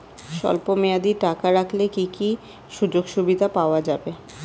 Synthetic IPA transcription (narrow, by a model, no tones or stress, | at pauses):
ʃɔ̰lpomead̪iʈakaɾakʰlekiki | ʃud͡ʑoɡʃubid̪ʱapaoad͡ʑabe